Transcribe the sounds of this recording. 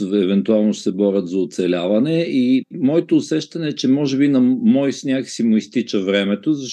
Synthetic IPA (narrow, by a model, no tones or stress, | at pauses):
ɛvɛnt̪ualˠnoʃsɛbɔɾʲət̪zɐʊt̪sɛlʲavɐnɛimɔɛt̪oːsɛʃt̪ɐnɛːt͡ʃɛmɔʒɛbinɐmɔjsnʲjaksimʊist̪it͡ʃəvɾɛmɛt̪ozɐʃ